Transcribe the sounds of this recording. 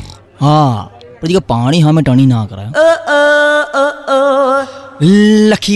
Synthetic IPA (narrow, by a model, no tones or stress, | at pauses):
ɦãː | pəɾd͡ʒiɡaːpaːɽ̃iːɦãːmɛ̃ːʈəɳ̃iːnãːkəɾa̰ːã | ləkʰi